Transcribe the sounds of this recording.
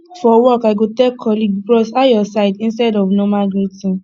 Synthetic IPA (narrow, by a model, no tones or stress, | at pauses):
fɔwɔkaɪɡotekʰːɔliɡbɹɔsajɔsaɪdĩnstɛdɔvnɔmaɡɹitĩn